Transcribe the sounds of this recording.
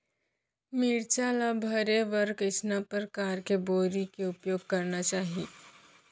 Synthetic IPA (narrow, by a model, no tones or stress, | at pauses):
miːɾt͡ʃaːlabʱɐɾeʋɐɾkɪsnapəɾkaːɾkeboːɾikeʊpjoːɡ̚kɐɾnat͡ʃaːɦi